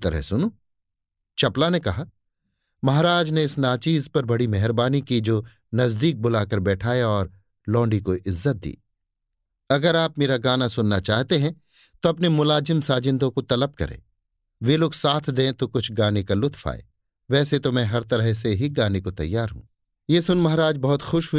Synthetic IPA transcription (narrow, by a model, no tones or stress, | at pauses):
t̪ɐɾə̰ɦsʊno | t͡ʃɐplanekɐɦaː | mɐɦaːɾaːd͡ʒneɪsnaːt͡ʃiːzpɐɾbɐɽimɛɦɾbaːnikid͡ʒoː | nɐzd̪iːk̚bʊlaːkɐɾbɛːʈʰaːjaɔːɾ | lɔ̃ːɳɖikoʔɪzːət̪̚d̪ḭː | ɐɡəɾaːp̚meːɾaɡaːnasʊnːat͡ʃaːɦt̪eɦɛ̃ | t̪oɐpnemʊlaːzɪmsaːd͡ʒɪ̃nd̪õkot̪ɐləb̚kɐ̰ɾḛ̃ː | ʋeːloːɡsaːt̪ʰd̪ẽːt̪okʊt͡ʃʰɡaːnekalʊt̪fʰa̰ːḛː | ʋɛːset̪omɛ̃ɦɐɾt̪ɐɾəɦseɦiɡaːnekot̪ɐ̰jːaːɾɦṵ̃ː | jesʊnmɐɦɾaːd͡ʒbɐɦʊt̪xʊʃɦʊi